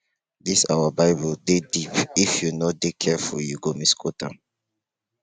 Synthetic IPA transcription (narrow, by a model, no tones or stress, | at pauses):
disawabaɪbuldedipifjunodekʰɛfṵljuɡomiskʰotã̰